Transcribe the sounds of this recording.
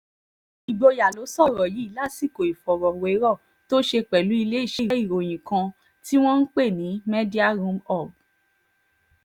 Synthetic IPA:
i˨ɡ͡bo˧ja˨lo˨˦sɔ˦˨ɾɔ˨ji˨˦i˦˨la˦si˦˨ko˨i˨fɔ˨ɾɔ˨we˨˦ɾɔ˦˨ | to˦ʃe˧k͡pɛ˨lu˨˦i˧le˦i˦˨ʃi˨˦˨i˦˨ɾo˨j̃ĩ˨kã˧ | ti˦w̃ɔ̃˦n̩˦k͡pe˦˨nĩ˨˦me˦di˦a˦˨ɾũ˦mɔ˦˨b̚

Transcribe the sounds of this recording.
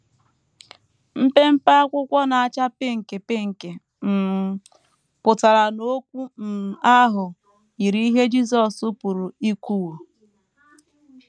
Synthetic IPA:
m̩˦pe˦m̩˦pa˦a˦kʷʊ˦kʷɔ˦na˨a˨t͡ʃa˦pe˦ŋ̩˨ke˨pe˦ŋ̩˨ke˨ | m̩˨ | pʊ˨ta˨ɾa˨no˦kʷu˦n̩˨a˦ɦʊ˨ | i˨ɾi˦ɦe˦d͡ʒi˦s̬ɔ˨su˦pu˨ɾu˨i˦kʷu˦wo˨

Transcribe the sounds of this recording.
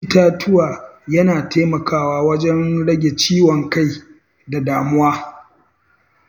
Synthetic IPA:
taː˦tʰʊ˦waː˨jɐ˦naː˨tʰeː˦mɐ˨kaː˦˨waː˦wɐ˦d͡ʒɛ˦nɽɐ˦ɡʲe˨t͡ʃiː˦wɔ˨ŋka˦˨j | da˨daː˨mʊ˦waː˦

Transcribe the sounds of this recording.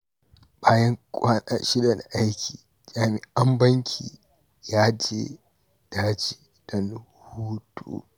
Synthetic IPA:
baː˦jɐ˦ŋkʷʼaː˦ɗa̰˨ʃɪ˦dɐ˨na˨ʔa˦jkʲiː˨ | d͡ʒaː˨mɪ˨ʔa˦mbɐ˦ŋkʲʰiː˨ | jaː˦d͡ʒeː˦ | d̥aː˦d͡ʒe˦ | dɐ˦n | huː˦tʰo̰ː˦

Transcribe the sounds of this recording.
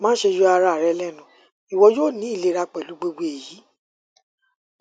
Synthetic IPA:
mãː˦ʃe˧ju˧˦a˧ɾa˧˨ɾɛ˧lɛ˦˨nũ˨ | i˨wɔ˧˦joː˦˨nĩ˨˦i˦˨le˨˧˦ɾa˧k͡pɛ˨lu˨˦ɡ͡bo˧ɡ͡bo˧e˨ji˨˦

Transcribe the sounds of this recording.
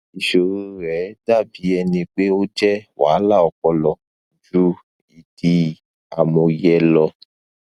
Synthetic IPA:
i˨ʃo˨ɾu˦ɾɛ˨˦da˦˨bi˨˦ɛ˧nĩ˧k͡pe˦o˦d͡ʒɛ˦wa̰ː˨˦la˦˨ɔ˧kɔ˧lɔ˧ | d͡ʒu˦ | i˨di˧ | a̰˨mɔ̃˧jɛ˦lɔ˧

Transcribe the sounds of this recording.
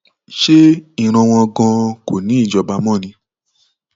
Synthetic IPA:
ʃe˦ĩ˦˨ɾ̃ã˧w̃ɔ̃˧ɡɔ̃˧ko˨nĩ˨˦i˦˨d͡ʒɔ˧˨ba˧˦mɔ̃˦˨nĩ˧˦

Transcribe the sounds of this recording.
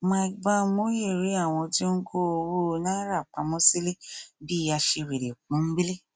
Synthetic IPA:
mã˧i˨ba˧mo˦je˦˨ɾi˨˦a˦˨w̃ɔ̃˧ti˦ŋ̩˦ɡo˦o˧wo˦˧nãː˦ɾa˦˨k͡pa˨˦mɔ̃˦si˦le˦bi˦˧ja˧ʃe˧we˨ɾe˨k͡pũ˨˦ɡ͡be˦le˦

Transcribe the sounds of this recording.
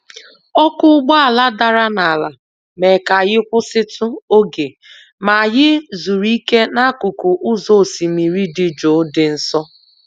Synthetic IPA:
ɔ˦kʊ˦ʊ˦ɡ͡bɔ˦a˨la˦da˨ɾa˦na˨la˨ | me˨ka˨ɣɪ˦kʷʊ˦sɪ˦tʊ˦o˦ɡe˨ | ma˨ɣɪ˦zu˨ɾi˦ke˦na˦kʊ˨kʊ˨ʔʊ˦zo˨si˨mi˨ɾi˦dɪ˦d͡ʒo˨˦dɪ˨n̩˦sɔ˦

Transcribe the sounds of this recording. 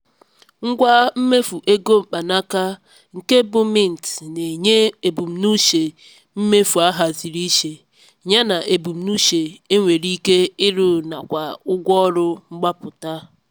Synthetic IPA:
ŋ̩˦ɡʷa˦m̩˦me˦fu˨ʔe˦ɡo˦m̩˨k͡pa˨na˦ka˦ | ŋ̩˨ke˦bʊ˦mɪ˦˨n̩˨tne˨ɲe˦e˨bu˨m̩˨nu˦ʃe˨ | m̩˦me˦fu˨a˦ɦa˨zi˨ɾi˦ʃe˨ | ɲa˦na˨ʔe˨bu˨m̩˨nu˦ʃe˨e˦ŋʷe˨ɾi˦ke˦ɪ˦ɾʊ˦na˨kʷa˨ʊ˦ɡʷɔ˦ɾʊ˦ŋ͡m̩˦ɡ͡ba˦pʊ˨ta˦

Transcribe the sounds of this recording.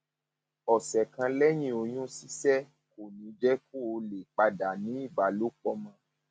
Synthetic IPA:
ɔ˨sɛ˨kã˧lɛ˦j̃ĩ˧˨o˨j̃ũ˦si˦sɛ˦ | ko˨nĩ˨˦d͡ʒɛ˦ku˦o˧le˨k͡pa˧da˨nĩ˨˦i˦˨ba˨lo˨˦k͡pɔ˧˦mã˧˦

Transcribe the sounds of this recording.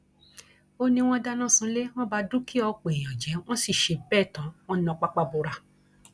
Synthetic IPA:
o˧nĩ˧w̃ɔ̃˦da˦nã˦˨sũ˧le˦w̃ɔ̃˦ba˧dũ˦ki˦ɔ˧k͡pe˨j̃ɔ̃˨d͡ʒɛ˨˦w̃ɔ̃˦si˦˨ʃe˨˧bɛː˦˨tã˨˦w̃ɔ̃˦ɔ̃˧k͡pa˦k͡pa˧bo˧ɾa˧

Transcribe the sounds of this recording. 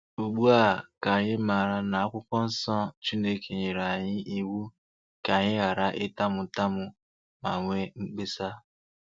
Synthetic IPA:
u˨ɡ͡bu˦a˦˨ka˨ɲɪ˦ma˨ɾa˦na˨a˦kʷʊ˦kɔ˦n̩˦sɔ˦t͡ʃi˦ne˦kʰe˨ɲe˨ɾa˨ɲɪ˦ʔi˦wu˦ | ka˨ɲɪ˦ɣa˨ɾa˨ʔɪ˦ta˦mʊ˨ta˦mʊ˨ | ma˨ŋʷe˦ŋ͡m̩˦k͡pe˦sa˦

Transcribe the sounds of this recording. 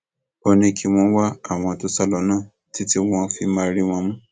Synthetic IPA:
o˧nĩ˧ki˧w̃ɔ̃˧˦wa˦a˦˨w̃ɔ̃˧to˦sa˦˨lɔ˧˦nãː˦˨ | ti˦ti˦w̃ɔ̃˧fi˧˦mã˧ɾi˦w̃ɔ̃˧mũ˦

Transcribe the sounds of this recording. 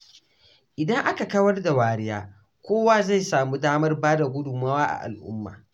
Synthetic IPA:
ʔɪ˨dɐ˦ŋʔa˦ka˨kɐ˦wɐ˦rda˨waː˨ɾɪ˦jaː˦ | kʷoː˦waː˦za˦˨jsaː˨mu˦daː˦mɐ˦rbaː˦da˨ɡʷʊ˦dʊ˨maː˦waː˦ʔa̰˨ʔa̰˨lʔʊ̰˦mːa̰ː˨

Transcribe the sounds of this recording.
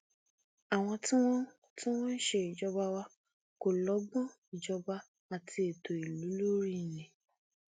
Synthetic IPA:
a˨w̃ɔ̃˧tĩ˦w̃ɔ̃˦ | tĩ˦w̃ɔ̃˦n̩˦ʃe˧˦i˨d͡ʒɔ˧ba˧wa˧ | ko˨lɔ˨˦ɡ͡bɔ̃˦ | i˨d͡ʒɔ˧ba˧ | a˨tʰi˧e˨tʰo˨i˨lu˨˦lo˦ɾi˦˨nĩ˨

